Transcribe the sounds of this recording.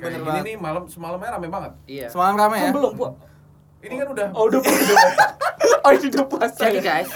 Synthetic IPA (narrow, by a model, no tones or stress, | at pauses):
bət̪ainimalamsəmalamɲaɾamabaŋət̪̚iasəmalamramajmbəlʊmpua | inikanudahoudapda | odidapasaɡas